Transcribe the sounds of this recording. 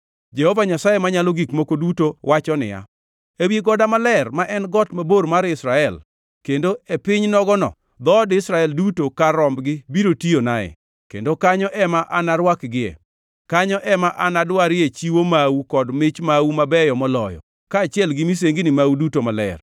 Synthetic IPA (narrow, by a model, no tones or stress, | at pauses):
d͡ʒɛhovaɲasajemaɲalɔɡikmokodutowʔat͡ʃɔnɪ̰ja̰ | ebjeɡɔdamalɛrmaʔɛnɡɔtmaboɾmaɾɪsɾaɛl | kendoepɪɲnɔɡɔnɔ̰ | d̪ɔdɪsɾaɛldutokaɾɔmbɡɪbiɾotionaɛ̰ | kḛndokaɲɔʔɛmaʔanaɾwakɡɪɛ̰ | kaɲɔʔɛmaʔanadwaɾɪet͡ʃiwomawukɔdmɪt͡ʃmawumabɛjɔmɔlɔ̰jɔ̰ | kaːt͡ʃɪɛlɡɪmis̬eŋɡinɪmaudutomalɛ̰r